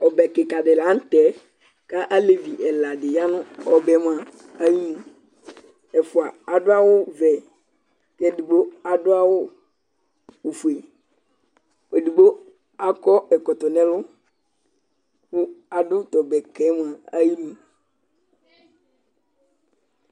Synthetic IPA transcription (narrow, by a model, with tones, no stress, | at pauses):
ɔ˨bɛ˨ke˨ka˨ɖɪ˨la˨˦n̩˦t̪ɛ˦ | ka˦ʔa˦le˨vi˨ʔɛ˨la˨ɖɪ˨ja˦nʊ̃˦ɔ˨bɛ˨m˦a˨ | a˦ji˦nũ˨ | ɛ˨fʊ˨a˨a˨dʊ˦a˦wʊ˦vɛ˨ | kɛ˦du˨bo˦a˨dʊ˦a˦wo˦ | wo˨fu˨e˨ | e˨du˨bo˦ | a˦kɔ˦ɛ˨kɔ˨t̪ɔ˨nɛ̃˦lʊ˦ | ku˦a˨ɖʊ˦t̪ɔ˨bɛ˨kɛ˨˦m˦˨a˨a˦ji˦nũ˦